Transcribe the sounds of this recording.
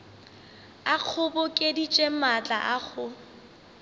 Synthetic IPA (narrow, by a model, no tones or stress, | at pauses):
aq͡χʰʊbʊkʼedit͡ʃʼemat͡ɬʼaʔaχʰʊ